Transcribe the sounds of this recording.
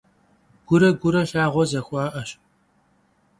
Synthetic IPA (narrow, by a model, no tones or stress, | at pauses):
ɡ̥ʷʊɾɐɡʷʊɾɐɬaːʁʷɔzɐxʷɑːʔɐɕ